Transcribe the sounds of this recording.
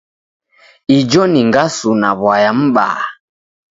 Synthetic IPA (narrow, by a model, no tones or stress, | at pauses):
id͡ʒɔniŋɡasunaβwajam̩ɓa̰ː